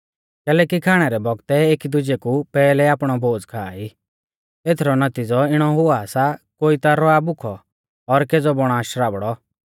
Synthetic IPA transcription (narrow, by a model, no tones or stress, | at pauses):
kɛːlɛːkikʰaːɽ̃ɛɾɛbɔɡt̪ɛeːkid̪ʊd͡ʒekupɛːlɛaːpɽ̃ɔbʱoːd͡zkʰaːi | eːt̪ʰɾɔnɐt̪id͡zɔɪɽ̃ɔɦʊasakoːit̪aɾɔabʊkʰɔ | ɔɾked͡zɔbɔɽ̃aːʃɾaːbɽɔ